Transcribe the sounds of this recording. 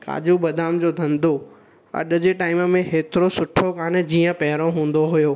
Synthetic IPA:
ka̰ːd͡ʑubɐd̪ʱaːmd͡ʑoːd̪ʱɐ̃nd̪ʱo | ɐ̰ɗə̆d͡ʑeʈaːɪməmẽɦeːt̪ɪɾosʊʈʰokaːn̆d͡ʑiːə̃pɐɦɪɾoɦũːn̆d̪oɦʊjoː

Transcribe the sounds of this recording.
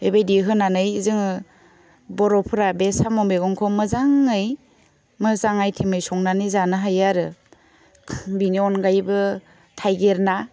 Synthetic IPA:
ebajdiɦɯnanɯjzɯŋ | bɔɾɔpʰɯɾabesamɔmbeɡɔŋkʰɔmɯzaŋɯj | mɯzaŋajtʰimɯjsɔŋnanɯjzanɯɦajaɾɯ | biniɔnɡajbɯ | tʰajɡeɾna

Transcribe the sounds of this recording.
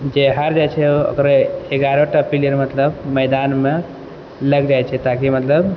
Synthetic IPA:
d͡ʒeɦəɾd͡ʒajt͡ʃʰɛoə̰kɾeeɡaɾoʈapiliəɾmət̪ləbməjd̪anme | ləɡd͡ʒajt͡ʃʰɛt̪akimət̪ləb

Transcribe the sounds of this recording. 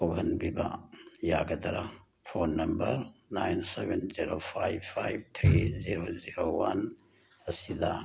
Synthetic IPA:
oɡʱɐnbiba̰jaɡɐd̪ɐɾa | fʰoːnːɐmbɐɾnajnsebenziɾopʰajpʰajbt̪ʰɾiziɾoziɾowɐn | ɐsid̪a

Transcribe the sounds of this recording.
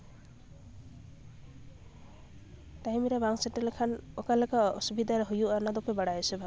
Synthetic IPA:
tajmɾebaŋseʈelkʰanɔkalekaɔsubid̪ʱaɾeɦujuanad̪ɔpebaɽajɔsebʱa

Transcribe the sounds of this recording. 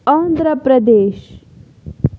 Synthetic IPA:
aːnd̪ɾəpɾɐd̪eːʃ

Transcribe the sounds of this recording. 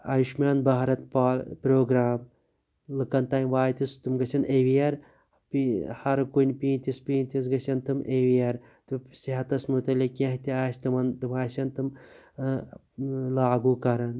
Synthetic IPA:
ɐjiʃmʲaːnbɐɦɾɐt̪paːlpɾoːɡɾaːm | lɨkɐnt̪aːjmʋaːjt̪ist̪ɨmɡɐsʲɐneʋijɐɾ | pihɐɾkunʲpiːnʲt̪ʲispiːnʲt̪is̬ɡɐsʲɐnt̪ɨmʔeʋijɐɾ | t̪ɨsiɦɐt̪ɐsmut̪ɐlʲikʲɐ̃ɦt̪iaːsʲt̪ɨmɐnt̪ɨmaːsʲɐnt̪ɨm | laːɡuːkɐɾɐn

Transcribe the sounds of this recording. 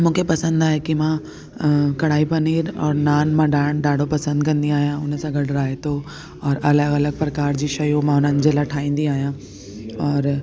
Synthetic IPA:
mũːkʰepɐsə̃nd̪aːɦekimã | kɐɽ̤aːipɐniːɾɔːɾnaːnmãɖaːɖaːɖʱopɐsə̃nd̪̚kɐ̃nd̪iaːɦijãʊnəsãɡɐɽɾaːɦet̪ʰo | ɔːɾʔɐləɡɐləɡ̚pɾɐkaːɾd͡ʑiːʃɐjũmãʊn̤ənɪ̆d͡ʑeːlaʈʰaːĩːn̆d̪iaːɦijã | ɔːɾ

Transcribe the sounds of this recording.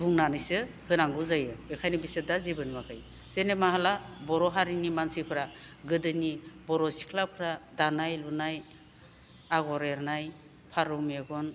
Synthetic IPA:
buŋnanɯjsɯ | hɯnaŋɡuzajɯbekʰajnibisɯdazibɯnmakʰɯj | senemaɦalabɔɾɔɦaɾinimansipʰɯɾaɡɯdɯnibɔɾɔsi̥kʰlapʰɯɾadanajlunaj | aɡɔɾeɾnaj | pʰaɾumeɡɔn

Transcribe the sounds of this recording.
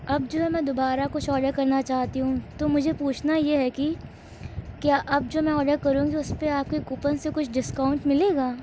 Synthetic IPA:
ɐb̚d͡ʒoːɦɛmɛ̃ːd̪obaːɾakʊt͡ʃʰɔːɖəɾkɐɾnat͡ʃaːɦt̪iɦũt̪omʊd͡ʒʱepuːt͡ʃʰnajeɦɛki | kjaːʔɐb̚d͡ʒoːmɛ̃ɔːɖəɾkɐɾũːɡiʊspeaːp̚kekʊpə̃nsekʊt͡ʃʰɖɪskaːʊ̃ɳʈmɪleːɡaː

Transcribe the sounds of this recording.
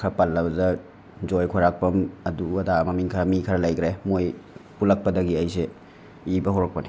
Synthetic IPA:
kʰɐpalːɐbɐdɐ | d͡ʒojkʰoɾak̚pɐmɐduɐdamɐmiŋkʰɐɾɐmikʰɐɾɐlɐjkɾemojpulɐk̚pɐdɐɡiɐjse | ibɐɦoɾɐk̚pɐni

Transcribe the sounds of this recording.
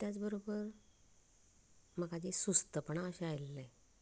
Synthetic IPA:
t̪jat͡sbəɾobəɾ | məɡad͡ʑesust̪əpəɳaəɕeajlːe

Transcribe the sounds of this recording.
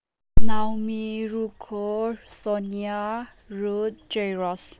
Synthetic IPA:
nawmiɹukʰosɔnia | ɹudd͡ʒeɹɔs

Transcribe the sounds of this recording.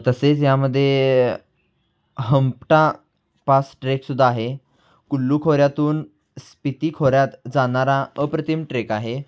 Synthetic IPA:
t̪əset͡sjaməd̪ʱːje | ɦəmpʈa | pasʈɾeksud̪ʱːaːɦe | kulːuːkʰoɾjat̪uːn | spit̪iːkʰoɾjat̪d͡zaɽ̃aɾaəpɾət̪ʰimʈɾekaɦe

